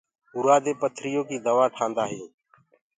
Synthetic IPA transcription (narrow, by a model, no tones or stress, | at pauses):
ʊɾaːd̪eːpət̪ʰɾɪjoːkiːd̪əʋaːʈʰãːnd̪aːɦɪjoː